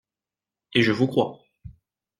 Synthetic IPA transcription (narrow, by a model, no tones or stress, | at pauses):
eʒəvukχwa̰